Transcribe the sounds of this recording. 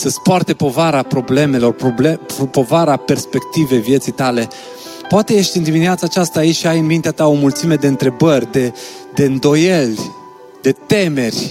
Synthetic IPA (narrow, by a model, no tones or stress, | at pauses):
səspoart̪e̞po̞vaɾapɾo̞ble̞me̞lo̞rpoblepo̞vaɾape̞rspe̞kt̪ive̞vje̞t̪sijt̪ale̞ | poat̪e̞je̞ʃt̪ʲind̪imineat̪saːt͡ʃast̪aːit͡ʃʲʃiajɨnmint̪eat̪ao̞mult̪sime̞d̪e̞ɨnt̪ɾe̞bərʲd̪e̞d̪e̞ɨnd̪o̞je̞lʲ | d̪e̞t̪e̞me̞rʲ